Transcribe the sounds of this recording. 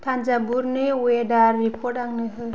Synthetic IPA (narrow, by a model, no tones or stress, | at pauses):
t̪ʰand͡ʒabuɾnɯwedaɾːikʰɔɾʈaŋnɯɦɯ